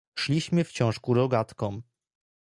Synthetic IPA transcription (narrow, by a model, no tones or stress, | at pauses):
ʂlʲiɕmɘft͡ɕɔ̃w̃ʂkuɾɔɡat̪kɔ̃m